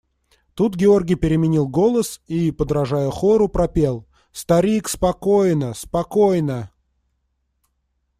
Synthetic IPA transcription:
t̪ut̪ɡʲɪo̞rɡʲɪjpʲɪɾʲɪmʲɪnʲilˠɡo̞lˠəsipəd̪ɾɐʐajʊxoɾʊpɾɐpʲe̞lˠ | st̪ɐɾʲikspɐkojnəspɐkojnə

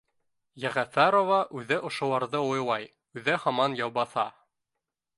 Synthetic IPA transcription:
jæʁæfæɾovɑʔʉðɘʔŏʃŏlˠɑɾðɤujlˠɑj | ʉðɘhɑmɑnjɑwbɑθɑ

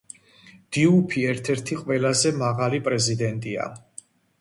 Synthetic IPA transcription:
d̪̥iupʰiɛɾt̪ʰɛɾt̪ʰiqʼwɛlazɛmaʁalipʼɾɛzid̪ɛnt̪ʼia̰

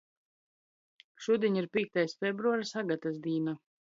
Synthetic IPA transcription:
ʃuːd̪ʲiɲiɾpʲiːɛk̚t̪ajsfʲɛbɾuaɾsaɡat̪as̬d̪iːna

